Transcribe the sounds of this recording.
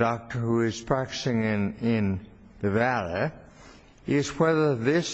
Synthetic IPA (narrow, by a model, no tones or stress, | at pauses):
dɑk̚tə˞huɪz̥pʰɹ̥æk̚tɨ̥sɪ̃ŋɪ̃nɪ̃n | ðɨvælˠi | ɪz̥wɛðə˞ðɪs